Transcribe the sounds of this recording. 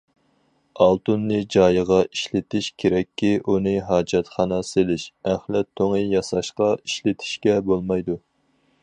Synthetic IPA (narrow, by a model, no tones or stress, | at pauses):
ɑlˠt̪unːɨd͡ʒɑːjəʁɑiʃlɪt̪ʰɪʃkʲʰeɾɛkʲʰːiʔunɨɦɑːd͡ʒɛt̪χɑnɑselɪʃæχlɛt̪ʰːoŋɨjɑsɑʃqɑiʃlɪt̪ʰɪ̥ʃkʲɛbolˠmɑjd̪u